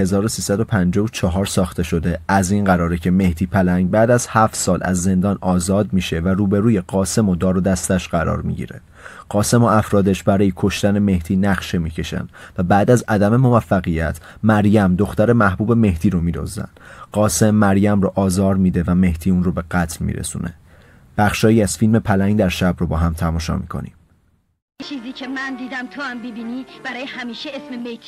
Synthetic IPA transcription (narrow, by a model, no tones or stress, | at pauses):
he̞zɒːɾosiːsæd̪o̞pʰænd͡ʒɒvot͡ʃʰɒɦɒːɾsɒːxt̪e̞ʃo̞d̪e̞æzinɢæɾɒːɾecʰe̞me̞ht̪iːpʰælæŋɡbæːd̪æz̥hæft̪sɒːlʔæ̰zːe̞nd̪ɒːnɒːzɒːd̪̚miːʃe̞væruːbe̞ɾuːje̞ɢ̥ɒːse̞mod̪ɒːɾod̪æst̪æʃɢæɾɒ̰ːɾmḭɟḭːɾḛ | ɢ̥ɒːse̞moæfɾɒːd̪eʃbæɾɒːjikʰo̞ʃt̪æne̞me̞ht̪ʰiːnæxʃe̞miːcʰe̞ʃæ̰nd̪væbæːd̪æzæd̪æme̞mo̞væfːæɣijæt̪ʰ | mæɾjæmd̪oxt̪æɾe̞mæhbuːbe̞me̞hd̪̥iːɾomiːd̪o̰zæ̰nd̪̥ɢɒːse̞mːæɾjæmroʔɒːzɒːɾmiːd̪e̞væme̞hd̪̥iːuːnrobe̞ɢæt̪ʰlmḭːɾḛsṵːnʔe̞̰ | b̥æxʃɒːjiːæz̥filme̞pʰælæŋɡd̪æɾʃæbrobɒːɦæmt̪ʰæmɒːʃɒ̰mḭkʰo̞̰nḭm | t͡ʃʰiːziːcʰemænd̪iːd̪æmt̪ʰoæmbibiniːb̥æɾɒːjehæmiːʃeesmemejtʰ